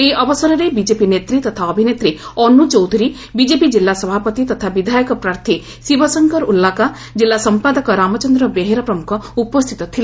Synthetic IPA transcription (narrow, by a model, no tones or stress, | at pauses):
eʔɔbɔsɔɾɔɾebid͡ʒepinet̪ɾit̪ɔt̪ʰaɔbʱinet̪ɾiɔnut͡ʃɔwd̪ʱiɾi | bid͡ʒepid͡ʒilːasɔbʱapɔt̪it̪ɔt̪ʰabid̪ʱajɔkɔpɾaɾt̪ʰi | sibɔsɔŋkɔɾulːaka | d͡ʒelːasɔmpad̪ɔkɔɾamɔt͡ʃɔnd̪ɾɔbeɦeɾɔpɾɔmukʰɔupɔst̪ʰit̪ɔt̪ʰile